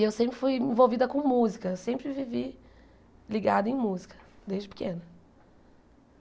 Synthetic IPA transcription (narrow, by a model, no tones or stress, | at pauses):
ewsẽmpɾɪfujẽvowvid̪ɐkõmuzikɐewsẽmpɾɪvivi | liɡad̪ʊẽj̃muzikɐ̥d̪ezd͡ʒɪpɪ̥kẽnɐ